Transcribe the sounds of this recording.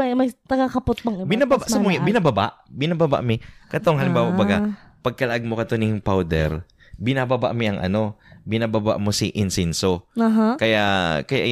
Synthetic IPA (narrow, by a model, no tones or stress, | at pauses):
jmɐjt̪ɐɡakɐpʊt̪̚bɐŋbɪnababaʔsɐmʊjabɪnababa̰ʔbɪnababa̰ʔmɪkɐt̪oŋhɐlɪmbaːwabɐɡapɐɡ̚kɐlɐʔaɡ̚mokɐt̪onɪŋpawd̪ɛ̰ɾ | bɪnababa̰ʔmɪɐŋʔɐ̰no̞bɪnababa̰ʔmo̞siʔɪnsɛnso̞ɦkɐjaʔkɐja̰ʔ